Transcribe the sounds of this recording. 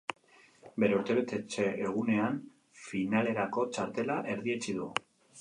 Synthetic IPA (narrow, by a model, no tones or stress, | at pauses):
be̞ɾe̞uɾt̪e̞βet̪e̞t͡ʃe̞eɣ̞une̞an | finale̞ɾako̞t͡ʃaɾt̪e̞laʔe̞ɾðie̞t͡ʃiðu